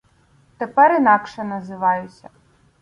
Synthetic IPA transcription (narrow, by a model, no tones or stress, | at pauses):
t̪epɛɾinɑkʃɛnɐzɪʋɑjʊsʲɐ